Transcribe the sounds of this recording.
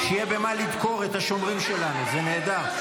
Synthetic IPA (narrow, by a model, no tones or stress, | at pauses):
ʃijebe̞malid̪ko̞ʁet̪haʃo̞mʁimʃe̞lanuzene̞ːd̪aʁ